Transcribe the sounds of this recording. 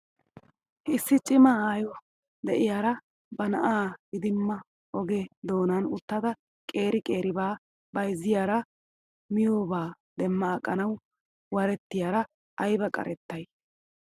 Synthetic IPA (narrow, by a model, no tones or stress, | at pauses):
ɪsːɪt͡ʃʼɪmɐaːjɔ | d̪ɛʔɪjaːɾɐ | bɐnɐʔaːɡɪd̪ɪmːɐ | ɔɡɛd̪o̞ːnɐnʊt̪ːɐd̪ɐ | kʼe̞ːɾɪkʼe̞ːɾɪbaː | bɐjzːɪjaːɾɐ | mɪjoːbaː | d̪ɛmːɐːkʼːɐnɐw | wɐɾɛt̪ːɪjaːɾɐ | ʔɐjbɐkʼɐ̰ɾɛt̪ːɐj